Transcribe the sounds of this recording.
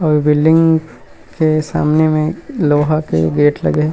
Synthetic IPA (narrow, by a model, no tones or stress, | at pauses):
ɔːɾbɪlɖɪ̃ŋɡ | kesa̰ːmnemẽloːɦakḛɡeːʈlɐ̰ɡe